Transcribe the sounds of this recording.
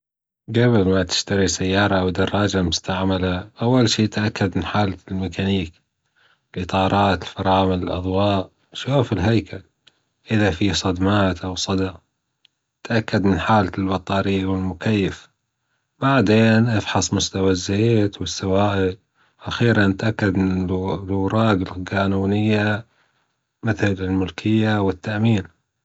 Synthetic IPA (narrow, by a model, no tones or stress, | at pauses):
ɡabɪlmat̪ɪ̥ʃt̪aɾisajːɑːɾˤɑʔwd̪ɑrˤːɑːd͡ʒamʊst̪aʕmalaʔawːalʃiːt̪ʔakːad̪mɪnħaːlalmɪkʰaniːk | ɪlʔɨt̪ˤɑːɾˤɑːt̪ɪlfɑɾˤɑːmaɪlʔɑ̰ðˤwɑːʔ | ʃuːfɪlɦajkʰal | ʔɪðafisˤɑd̪maːt̪ʔawsˤɑd̪ɑ | t̪ʔakːad̪mɪnħaːllbɑt̪ˤɑːɾiwɪlmʊkajːɪf | baʕd̪eːnʔɑfħɑsˤmʊst̪awazːeːt̪wɪsːawaːʔɪd̪ | ʔaxiːɾanɪt̪ʔakːad̪ɪlwɾˤɑːɡɪlqaːnuːnɪjːa | mɪθlɪlmʊlkʰɪjːawɪt̪ːaʔmiːn